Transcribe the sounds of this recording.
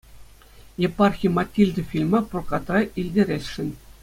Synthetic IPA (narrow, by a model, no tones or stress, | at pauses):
jepɑrxʲijmɑtʲːilʲd̪ɘ̆fʲilʲmɑpurkɑt̪rɑʔilʲdʲeɾʲesʲʂɘ̆nʲ